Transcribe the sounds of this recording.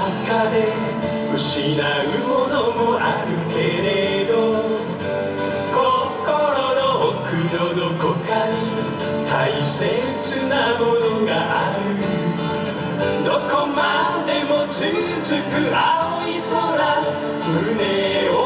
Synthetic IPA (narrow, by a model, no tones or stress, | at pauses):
kʰad̪e | uɕinaɯmonomoʔaɾɯkeɾed̪o | ko | koɾoɾookʰɯɾod̪okʰokʰaɲi | t̪aise | t͡ɕʰɯnamod̪oɡaʔa | ɾɯ | d̪okʰomːad̪emot͡ɕɯ | t͡ɕɯkɯʔaoisona | mɯneo